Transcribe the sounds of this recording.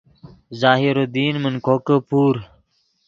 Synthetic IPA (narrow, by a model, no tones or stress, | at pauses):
zaːɦiɾod̪iːnmənkʰoːkəpuːɾ